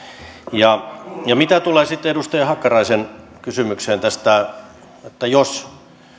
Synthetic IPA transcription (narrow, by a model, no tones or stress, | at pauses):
jɑjɑmit̪æt̪uleːsit̪ːedust̪ɑjɑhɑkːɑrɑisenkysymykseːnt̪æst̪æ | et̪ːæjos